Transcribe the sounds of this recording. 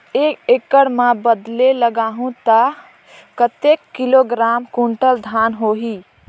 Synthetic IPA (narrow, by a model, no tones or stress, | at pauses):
ekekəɽmabəd̪leləɡaɦũt̪ə | kət̪ekːiloɡɾamkuɳʈəld̪ʱanɦoɦi